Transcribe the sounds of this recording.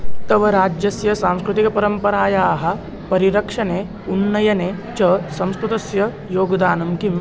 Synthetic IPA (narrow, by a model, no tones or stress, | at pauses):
t̪ɐʋɐɾaːd͡ʒjɐsjɐsaːmskɾut̪ikɐpɐɾɐmpɐɾaːjaːɦɐ̆ | pɐɾiɾɐkʂɐneː | unːɐjɐneːt͡ʃɐːsɐ̃mskɾut̪ɐsjɐ | joːɡd̪aːnɐmki